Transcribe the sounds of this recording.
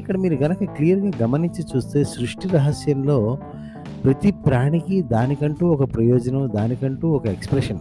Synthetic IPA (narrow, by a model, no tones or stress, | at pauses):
ikːɐɽɐmiːɾuɡɐnɐkɐklijɐɾɡaːɡɐmɐniɲt͡ʃit͡ʃuːst̪e̞ːʃɾuʂʈiɾɐɦɐsjɐmlo̞ː | pɾɐt̪ipɾaːɳikid̪aːnikɐɳʈuːɔkɐpɾɐjɔːd͡ʒɐnɐmd̪aːnikɐɳʈuːɔkɐekspɾeʂɐn